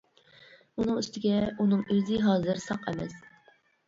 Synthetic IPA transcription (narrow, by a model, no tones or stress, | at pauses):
unɨŋyst̪ɪɡʲɛunɨŋyzɪɦɑːzɨɾsɑqɛmɛs